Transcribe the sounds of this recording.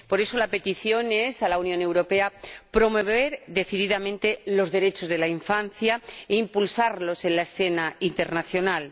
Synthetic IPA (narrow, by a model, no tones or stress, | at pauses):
po̞ɾe̞so̞lape̞t̪iθjo̞ne̞salaunjõ̞ne̞wɾo̞pe̞apɾo̞mo̞βe̞ɾðe̞θiðiðamẽ̞nt̪e̞lo̞zðe̞ɾe̞t͡ʃo̞zðelaiɱfan̟θjaeimpulsaɾlo̞se̞nlaesθe̞naint̪e̞ɾnaθjo̞nal